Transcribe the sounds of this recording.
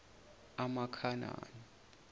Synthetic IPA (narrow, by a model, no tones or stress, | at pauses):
amakʰana̰ːni